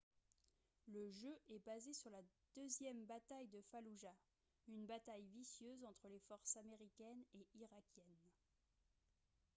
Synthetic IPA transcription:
ləʒøʔɛbazesyʁlad̪̥øzjɛmbat̪ajd̪əfaluʒa | ynbat̪ajvisjøzɑ̃t̪χəlefɔʁsameʁikʲɛneʔiʁakʲjɛn

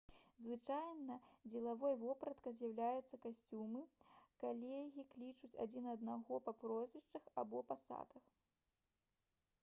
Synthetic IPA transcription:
zvɨt͡ʂajnɐd͡zʲɛlˠavɔjvɔpɾɐt̪kɐzʲjɐwlʲajɛt̪sːɐkasʲt͡sʲumɨkalʲɛɣʲiklʲit͡ʂut͡sʲa̰d͡zʲinɐd̪naɣɔpɐpɾɔzʲvʲɛʂt͡ʂɐxa̰bɔpasa̰d̪ɐx

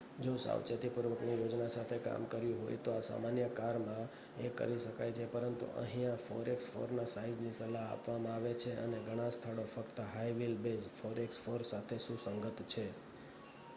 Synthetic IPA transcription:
d͡ʒosa̰wt͡ʃet̪ipuɾʋəknijod͡ʒnasat̪ʰeka̰mkəɾjĩɦo̰jt̪oasa̰manjəkaɾmã | ekə̰ɾiʃəkajt͡ʃʰepəɾənt̪ṵʔə̰ɦĩãfo̰ɾeksfo̰ɾnasaid͡ʒnisəlaɦa̰pʋamãaʋet͡ʃʰeə̰neɡʱəɽ̃ãst̪ʰaɭofəkt̪əɦaiʋilbesfoɾeksfoɾsat̪ʰeʃũsəŋɡət̪t͡ʃʰe

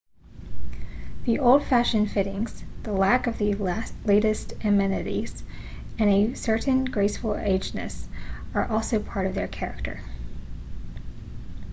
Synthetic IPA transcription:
ðiʔoʊlˠd̥fæʃɨ̃nfɪɾɪ̃ŋz̥ðəlækʌvðɨleɪɾɨstɨmɛnɨɾiz̥ | ɨ̃nɨsɜ˞ʔn̩ɡɹeɪsfl̩ˠḛɪd͡ʒnɨ̰sə˞ʔɔlˠsoʊpʰɑɹɾʌvðə˞kʰɛɹɨ̰k̚tʰə̰˞

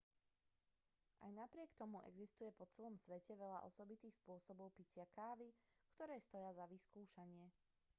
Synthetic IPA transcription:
ʔa̰jnapɾɪɛkt̪ɔmuʔɛ̰ɡzist̪ujɛpɔt͡sɛlɔmsʋɛcɛʋɛʎa̰ʔɔsɔbit̪iːxspʊɔsɔbɔʊpicɪakaːʋi | kt̪ɔɾɛːst̪ɔjazaʋiskuːʃaɲɪɛ

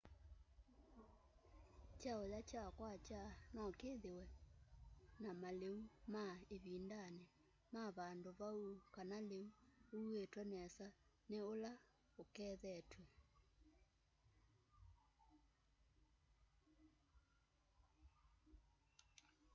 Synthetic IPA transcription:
t͡ʃaojat͡ʃakwat͡ʃanɔkeðewɛ | namaleumaeβiːndane | maβandoβaukanaleuuetwɛnɛsa | neola | okɛːðɛtwɛ

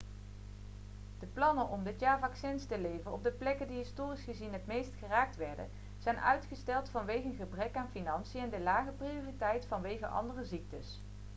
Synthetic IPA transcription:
d̥əplɑnənʔɔmdɪtjaːɹvɑksɛnstəlejvənɔb̚dəplɛkəndiɦɪstoːrisχəzinɦətmejstχəraːk̚tʋɛɹdə̰n | z̥ɛjnʔœ̰ɥtχəstɛlˠtfɑnʋejɣənχəbrɛkaːnfinɑnsiəɛndəlaːχəprioːritɛjtfɑnʋejɣənʔɑ̰ndərəzik̚təs

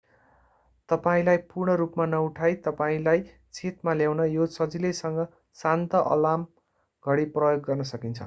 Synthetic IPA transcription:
t̪ʌpaĩlajpurɳʌɾupmanʌuʈʰajt̪ʌpaĩlaj | t͡sʰet̪maljawnʌjosʌd͡zilesʌŋɡʌ | sant̪ʌʔʌ̰lam | ɡ̥ʱʌɽiprʌjoɡːʌrnʌsʌkint͡sʰʌ̰

